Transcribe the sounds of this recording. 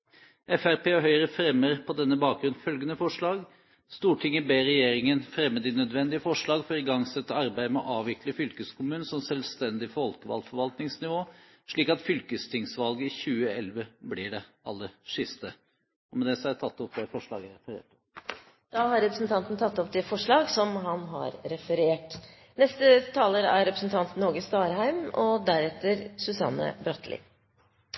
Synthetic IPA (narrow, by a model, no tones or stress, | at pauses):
ɛfæɾpʰeːɔɦœʏəɾəfɾɛmːəɾpʰɔd̪ɛnːəbɑːk̚ɡɾʉnfœlɡənəfɔʂɭɑːɡ | st̪uːʈʰɪŋːəbeːɾɛjeːɾɪŋənfɾɛmːəd̪ɪnœd̪ʋɛnd̪ɪəfɔʂɭɑːɡfɔɾɪɡɑŋsɛt̪ːəɑɾbæɪəmɛɔʔɑːʋʋɪkləfʏlkəskʰʊmʉːnəsɔmsɛlst̪ɛnd̪ɪfɔlkəʋɑ̰lfɔɾʋɑlt̪nɪŋsnɪʋoː | ʂɭiːkɑt̪fʏlkəst̪ʰɪŋsʋɑlɡəɪçʉːəɛlʋəblɪɖɛ | ɑlːəɾʂʏst̪ə | ɔmɛd̪ɛsɔæt̪ʰɑt̪ːɔp̚d̪ɛfɔʂɭɑ̰ːɡæɾɛfəɾḛːʈ | d̪̥ɑːhɑɾɛpɾəsnt̪ʰɑnt̪nt̪ʰɑt̪ːɔp̚d̪ɛfɔʂɭɑːɡsɔmɦɑnɦɑ̰ɾɾɛfəɾeːʈ | nɛst̪ət̪ʰɑːləɾæɾɾɛpɾəsn̩t̪ʰɑnt̪n̩ɔɾɡəst̪ɑːɾɦæɪmɔd̪æɾɛt̪ːəɾsʉsɑ̰nːə̰bɾɑt̪ʰlʔɪ̰